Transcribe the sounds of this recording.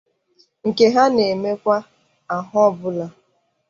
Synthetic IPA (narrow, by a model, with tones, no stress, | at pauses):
ŋ̩˨ke˦ɦa˦ne˨me˦kʷa˦ | a˨ɦɔ˦bʊ˦la˦